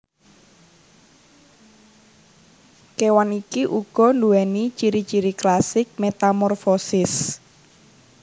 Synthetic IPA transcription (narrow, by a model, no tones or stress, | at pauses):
kewanikiʔuɡ̥ɔ̤nduɛnit͡ʃiɾit͡ʃiɾiklasɪk̚met̪amɔrfɔsɪs